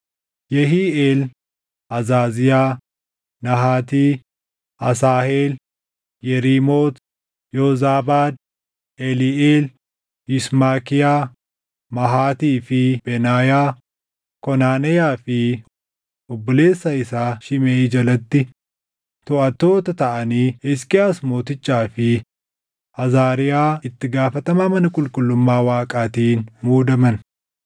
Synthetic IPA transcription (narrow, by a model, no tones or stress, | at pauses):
jɛɦiːeːl | ʔɐzaːzɪjaː | nɐɦaːt̪iː | ʔɐsaːheːl | jɛɾiːmoːt̪ | jɔzaːbaːd̪̚ | ɛliʔeːl | hɪsmaːkɪjaː | mɐɦaːt̪iːfɪb̥ɛnaːjaː | kɔnaːnɛjaːfɪ | ɔbːɔle̞ːsːɐɪsaːʃɪmeːd͡ʒɐlɐt̪ːɪ | t̪ɔʔɐt̪ːo̞ːt̪ɐt̪ɐʔɐniːɛskɪjaːsmo̞ːt̪ɪt͡ʃːaːfɪ | ɐzaːɾɪjaːɪt̪ːɪɡaːfɐt̪ɐmamɐnɐkʼʊlkʼʊlːʊmːaːwaːkʼaːt̪iːnmuːd̪ɐmɐn